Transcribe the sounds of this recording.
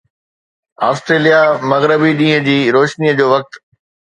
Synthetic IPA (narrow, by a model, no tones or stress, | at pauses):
aːst̪ɾeːlijamɐɣɾəbiɗĩːɦə̃d͡ʑiːɾoːʃniːəd͡ʑoːʋɐk̚t̪